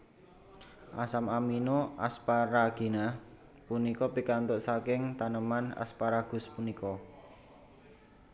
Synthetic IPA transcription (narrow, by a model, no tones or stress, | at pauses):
ʔasamaminoʔa̰spaɾaɡ̥i̤na | punikɔpikant̪ʊʔsakɪŋt̪anəmana̰spaɾaɡ̥ʊ̤spunikɔ